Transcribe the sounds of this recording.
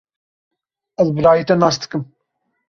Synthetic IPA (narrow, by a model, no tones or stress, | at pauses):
ɐzbɨɾaːjit̪ɐnɑːsd̪ɨ̥kɨm